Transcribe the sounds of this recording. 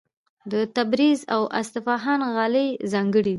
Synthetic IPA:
d̪ət̪abɾizawʔa̰st̪ɪfɑɦanɣɑləzɑŋɡəɽid̪

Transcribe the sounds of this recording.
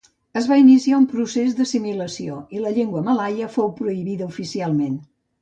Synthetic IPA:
əzβainisiaumpɾusezðəsimiləsioiləʎeŋɡwəməlajəfowpɾuiβiðəufisialˠmen

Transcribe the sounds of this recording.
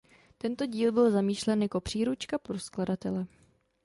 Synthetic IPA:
t̪ɛnt̪o̞ɟiːlbɪlzamiːʃlɛnjako̞pr̝̥iːɾut͡ʃkapɾoskladat̪ɛlɛ

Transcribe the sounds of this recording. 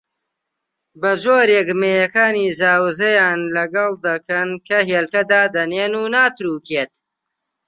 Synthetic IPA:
bɐzoːɾekmeːjɐkaːniːzaːwzɐjaːnlɐɡɐlˠd̪ɐkʰɐnkʰɐɦeːlkɐd̪aːd̪ɐneːnuːnaːt̪ɾuːkʰeːt̪

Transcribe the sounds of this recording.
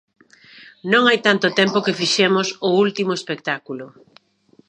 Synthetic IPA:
nõŋajt̪ant̪ʊt̪empokefiʃemʊsʊult̪imoespek̚t̪akulʊ

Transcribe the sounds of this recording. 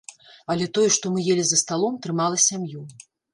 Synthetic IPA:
ɐlʲɛt̪ɔjɛʂt̪ɔmɨjelʲizɐst̪alˠɔmt̪ɾɨmalˠɐsʲamju

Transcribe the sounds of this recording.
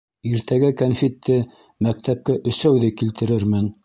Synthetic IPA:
iɾt̪ʰæɡækɐnfʲet̪ʰːɘ | mæk̚t̪æp̚kæʔɵ̆sæwðɘkilt̪ɘ̆ɾɘɾmɘn

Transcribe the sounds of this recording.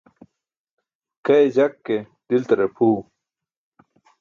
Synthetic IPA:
kɐed͡ʑɐkːe | d̪̥ilt̪ɐɾepʰuː

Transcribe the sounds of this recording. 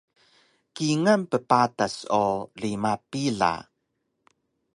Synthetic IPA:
kiŋampəpatasolimapiɮa̰

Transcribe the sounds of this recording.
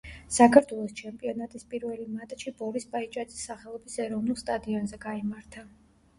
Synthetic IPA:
sakʰaɾt̪ʰwɛlˠɔst͡ʃʰɛmpʼiɔnat̪ʼispʼiɾvɛlimat̪ʼʃibɔɾisbʼait͡ʃʼad̪z̥ʼisːaχɛlˠɔbisɛɾɔvnulˠst̪ʼad̪iɔnzɛɡaimaɾt̪ʰa

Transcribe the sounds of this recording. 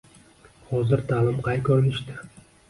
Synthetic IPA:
hɒzɪɾt̪ʰaːlɪmqʰɑjkʲʰɵɾɪlɪʃt̪ɪ

